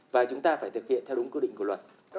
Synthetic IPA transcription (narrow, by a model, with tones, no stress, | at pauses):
vaː˨˩t͡ɕʊ˨˦ŋ͡mt̪aː˧faː˧˩jt̪ɨ˨˩k̚hḭ˧˨ənt̪ʰɛ˧ʊ˨˦ŋ͡mŋkɨ˧ɗḭ̈˧˨ŋ̟ku˧˩lwə˨˩t̚